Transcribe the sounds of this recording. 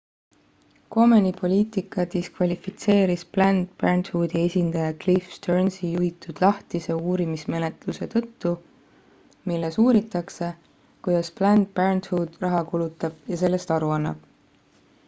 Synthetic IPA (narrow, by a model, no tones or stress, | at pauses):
ko̞menipʰo̞lʲiːt̪ˑikˑɑt̪iskvɑlʲifit̪se̞ːɾisplænd̪̥̚pærnt̪hud̪̥ie̞sʲind̪̥ɑjɑklifst̪ørnsijuit̪ːˑud̪̥lɑht̪ise̞uːɾimisme̞net̪luse̞t̪ɤ̞t̪ːu | milːesuːɾit̪ːˑɑkse̞ | kujd̪̥ɑsplænd̪̚pærnt̪huːd̪̥rɑɦɑkulut̪ːˑɑb̥jɑse̞lːe̞st̪ɑɾuɑnːɑ̰b̥